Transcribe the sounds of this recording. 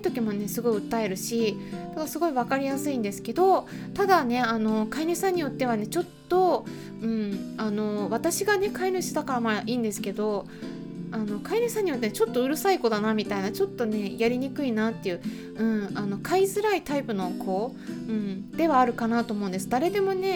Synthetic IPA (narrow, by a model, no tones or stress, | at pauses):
it̪o̞kʲimo̞ne̞sɨɡo̞iɯ̟t̪ːae̞ɾɯ̟ɕid̪aɡasɨɡo̞iβakaɾʲijasɨĩnd̪e̞sɨ̥ke̞d̪o̞t̪ad̪ane̞ano̞kainʲɯːsãɲ̟ːijo̞t̪ːe̞β̞ane̞t͡ɕo̞t̪ːo̞ | ɯ̟̃ɴano̞βat̪aɕiɡane̞kaiɲʲɯɕɨd̪akaɾamaʔiːnd̪e̞sɨ̥ke̞d̪o̞ | ano̞kaiɲʲɯsãɲ̟ːijo̞t̪ːent͡ɕot̪ːo̞ɯ̟ɾɯ̟saiko̞d̪anamʲit̪ainat͡ɕo̞t̪ːo̞ne̞jaɾʲiɲ̟ikɯ̟inaːt̪ːe̞jɯ̟ː | ɯ̟̃ɴano̞kʰaizɨɾait̪aipɯ̟no̞kʰo̞ːɯ̟̃ɴd̪̥e̞βaːɾɯ̟kanat̪o̞ːmõ̞nd̪e̞s̬ɨd̪aɾe̞d̪e̞mo̞ne̞